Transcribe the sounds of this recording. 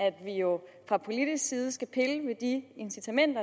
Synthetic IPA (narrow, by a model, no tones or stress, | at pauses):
æd̥ʋijo̝fʁɑ̈pʰo̝lid̥isɡ̥siːð̞̩ˠəsɡ̥æpʰe̝ləʋe̝d̥ie̝nsit͡sʰæmen̰d̥ɐ